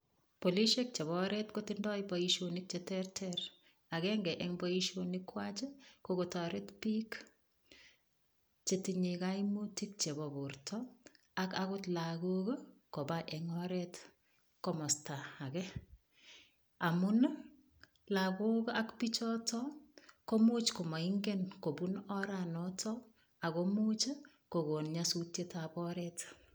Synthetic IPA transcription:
poliʃek̚t͡ʃeβɔɾɛtkotindɔjibɔiʃonik̚t͡ʃetɛrtʰɛɾ | akɛŋɡɛʔɛŋbɔiʃonikwat͡ʃekokotɔɾɛtpik | t͡ʃetiɲikajmutik̚t͡ʃebɔburtʰɔ | akakʊtlaɡokokobaʔɛŋɔɾɛt | kɔmɔstaːkɛ | amʊn | lakokakpit͡ʃɔtɔkomut͡ʃkomaiŋɡɛnkobunɔɾanɔtʰɔ | akomut͡ʃ | koɡonɲasutjetabɔɾɛt

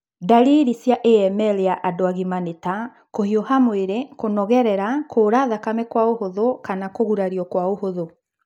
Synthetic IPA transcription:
daɾiɾisjaʔeɛmɛlejaʔadoaɣimaneta | kohiohamweɾekonɔɣɛɾɛɾakʰoɾaðakamɛkwaohoðokanakoɣuɾaɾiɔkwaohoðo

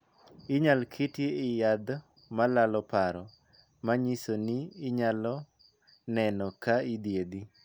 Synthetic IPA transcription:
ɪɲalkʰetjeɪjad̪ | malalɔpaɾɔ | maɲisoniːɲalɔ | nɛnɔkaid̪jed̪i

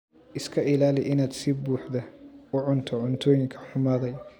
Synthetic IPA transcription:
ʔɪskʰɐʔɪlaːlɪʔɪnaːd̪sibuːħðɐʊʕʊnt̪ʰɔʕʊnt̪ʰɔːjɪŋkʰɐ̥ħʊmaːðɛj

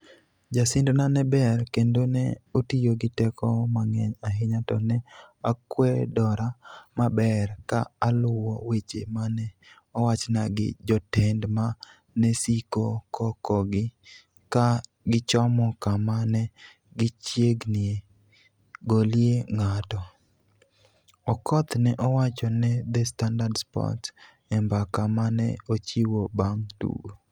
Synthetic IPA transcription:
d͡ʒasɪndonanɛbɛrkendonɛ̰otijoɡɪtɛkɔmaŋɛɲaɦɪɲatɔnɛakwɛdɔɾamabɛrkaːlʊwɔwet͡ʃemanɛ | ɔwat͡ʃnaɡɪ̰d͡ʒɔtɛndma | nɛsikokʰɔkɔɡɪ | ka | ɡɪt͡ʃɔmɔkamanɛ | ɡɪt͡ʃjeɡnɪe | ɡoljeŋatɔ | ɔkɔt̪nɛʔɔwat͡ʃɔnɛd̪ɛstandadspɔ̰t | ɛmbakamanɛ̰ot͡ʃiwobaŋtṵɡo

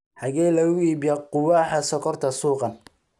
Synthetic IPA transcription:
ħɑɣɛːjlɐɣʊiːbijɛqʊwaːħɐsɔkʰɔrt̪ʰɐsuːqɑn

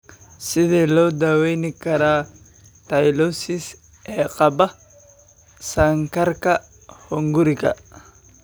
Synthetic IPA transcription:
sɪðiːlɔːd̪awɛjnɪkɐɾaː | t̪ɐjlɔsɪs | ɛːqʼɐbɐ | sɐŋkɐɾkɐ | hɔŋɡʊɾɪkɐ̰

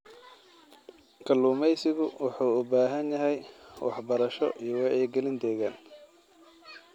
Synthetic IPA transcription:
kʰɐluːmɛjsɪɣʊwɑħuːʊbaːɦɐnjɐɦɛjwɑħbɐɾɐʃɔ̰ʔijɞwɑɛjɡɛlɪnd̪ɛːɣaːn

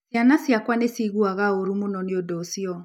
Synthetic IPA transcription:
sjanasjakwanesiɣuaɣaoɾumonɔneodɔsiɔ

